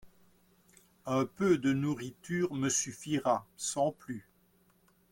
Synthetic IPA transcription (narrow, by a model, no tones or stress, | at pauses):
ɛ̃pød̪ənuʁit̪yːʁməsyfiʁasɑ̃ply